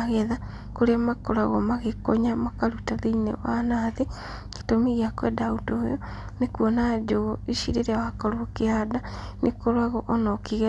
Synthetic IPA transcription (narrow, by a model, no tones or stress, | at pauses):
aɣɛða | koɾeamakɔɾaɣɔmaɣekoɲamakaɾutaðeinḛwanaːðe | ketomiɣeakwɛdautoːjɔ | nekuɔnad͡ʒoiʃiɾeɾeawakɔɾookeadanekoɾwaɣɔʔɔnɔkiɣɛ